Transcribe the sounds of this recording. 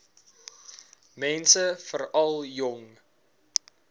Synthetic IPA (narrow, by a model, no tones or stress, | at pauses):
mɛnsəfəɾɐlˠjɔŋ